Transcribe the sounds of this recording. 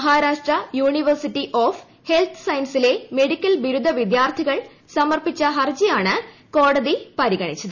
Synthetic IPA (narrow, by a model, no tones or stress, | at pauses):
ɐɦaːɾaːʂʈrɐjuːɳiʋɐrsiʈːiʔoːf | he̞lt̪ʰɨ̥sɐjnsile̞me̞ɽikʲːɐlʋiɾud̪ʱːɐʋid̪jaːrt̪ʰiɣɐɭ | sɐmɐrpit͡ɕːɐɦɐrd͡ʑijaːɳɨ | ko̞ːɽɐðipɐɾiɣɐɳit͡ɕːɐðɨ